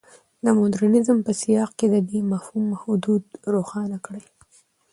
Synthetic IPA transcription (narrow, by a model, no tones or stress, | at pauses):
d̪əmʊd̪ɾanɪzmpəsijɑqked̪əd̪emafhumhʊd̪ud̪ɾoxɑnakɽəj